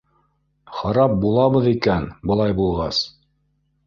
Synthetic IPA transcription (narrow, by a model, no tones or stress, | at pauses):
χɑɾɑp̚bulˠɑβɤðikænbɤ̆lˠɑjbulˠʁɑs